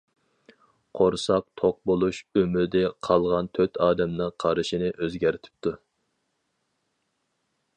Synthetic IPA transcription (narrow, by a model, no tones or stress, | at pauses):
qʰoɾsɑq̚t̪ʰoq̚bolˠuʃømyɾd̪ɛqʰɑlˠʁɑnt̪ʰøt̪ʰɑːd̪ɛmnɨŋqʰɑɾɨʃinɪʔøzɡʲæɾɪt̪ʰɪ̥p̚t̪u